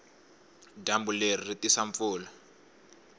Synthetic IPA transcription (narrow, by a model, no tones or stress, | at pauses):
dambulerritisaɱfʊːla